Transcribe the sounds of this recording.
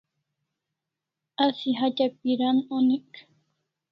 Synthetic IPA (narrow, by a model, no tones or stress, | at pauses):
asiɦat͡ʃapiɾanonik